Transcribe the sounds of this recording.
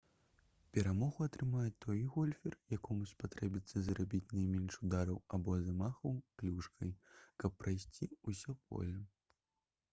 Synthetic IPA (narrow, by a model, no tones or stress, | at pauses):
pʲɛɾamɔɣuɐt̪ɾɨmajɛt̪ɔjɣɔlʲfʲɛrjakɔmuspat̪ɾɛbʲit̪sːɐzɾabʲit͡sʲnɐjmʲɛnʂud̪aɾɐwabɔzamaxɐwklʲuʂkʰɐjkɐpːɾajsʲt͡sʲiusʲɔpɔ̰lʲɐ